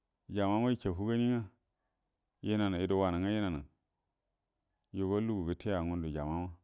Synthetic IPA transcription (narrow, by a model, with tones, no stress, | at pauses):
d͡ʒa˨ma˦ma˦ji˦kʲe˨ɦu˦ɡa˦ni˦ŋa˦ | ji˦na˨na˨i˨do˨wa˨na˨ŋa˦ji˦na˨na˨ | ju˨ɡo˦lu˦ɡu˨bi˨tʰe˦ja˨ŋu˦ndu˨d͡ʒa˨ma˦ma˦